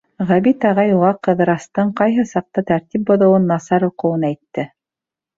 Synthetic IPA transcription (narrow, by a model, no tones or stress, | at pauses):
ʁæβit̪ɑʁɑjulɑqɤ̆ðɤ̆ɾɑst̪ɤɴqɑjɦɤsɑq̚t̪ɑt̪æɾt̪ip̚bŏðɤ̆wɤnːɑsɑɾuqɤ̆wɤnæjt̪ːɘ